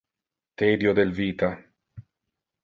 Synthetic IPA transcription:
t̪ed̪jod̪elviːt̪a

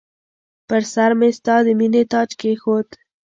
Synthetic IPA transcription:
pəɾsaɾmest̪ɑd̪əminet̪ɑt͡ʃkexot̪

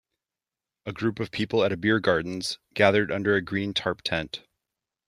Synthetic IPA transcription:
əɡɹʉpʌv̥pʰipl̩ˠəɾɨbɪɹɡɑɹdⁿn̩z̥ɡ̥æðə˞ɾʌ̃ndə˞ɨɡɹĩntʰɑɹp̚tʰɛ̃nt

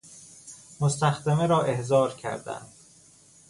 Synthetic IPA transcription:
most̪æxd̪emeɾɒːʔe̞hzɒːɾcʰæ̰ɾd̪æ̰nd̪̥

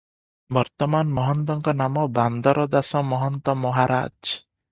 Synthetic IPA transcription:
bɔɾt̪ɔmanmɔɦɔnt̪ɔŋkɔnamɔband̪ɔɾɔd̪asɔmɔɦɔnt̪ɔmɔɦaɾa̰ːd͡ʒ

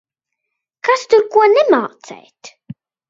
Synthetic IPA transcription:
kast̪uɾkuɔnɛmaːt̪sɛ̰jt̪

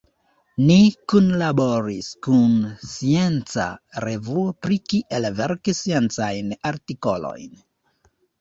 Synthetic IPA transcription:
nikunlaboɾiskunsie̞nt͡sa̰ɾe̞vuopɾikiʔe̞lveɾksie̞nt͡sajnaɾtiko̞lo̞̰jn

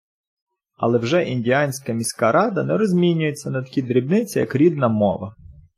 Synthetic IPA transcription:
ɐ̰lˠɛwʒɛʔinʲdʲiɑnʲsʲkɐmʲisʲkɑɾɑd̪ɐnɛɾɔzʲmʲinʲʊjet͡sʲːɐnɐt̪ɐ̥kʲid̪ɾʲibnɪt͡sʲɐjɐ̰kɾʲid̪nɐmɔ̰ʋɐ

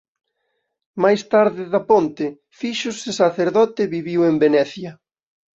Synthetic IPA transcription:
majst̪aɾðɪðɐpont̪ɪ | fiʃʊsesaθeɾðɔt̪ɪβiβiwembenɛθjɐ

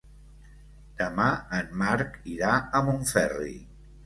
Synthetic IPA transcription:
d̪̥əmaənmaɾkiɾaəmuɱfɛrḭ

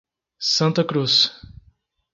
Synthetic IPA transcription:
sɐ̃nt̪ɐkɾus

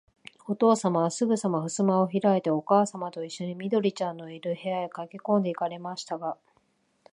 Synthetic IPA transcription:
o̞t̪o̞ːsamaβasɨɡɯ̟samaɸɯ̟sɨmao̞çiɾaet̪e̞o̞kaːsamat̪o̞iɕːo̞ɲ̟imʲid̪o̞ɾʲit͡ɕãnːo̞iɾɯ̟he̞aekakʲikõ̞nd̪e̞ikaɾe̞maɕi̥t̪aɡa

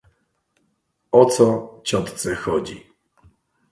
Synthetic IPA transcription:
ɔt̪sɔt͡ɕɔt̪t̪sɛxɔd͡ʑḭ

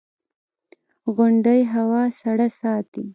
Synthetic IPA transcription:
ɣʊɳɖəjɦawɑsaɽasɑt̪i

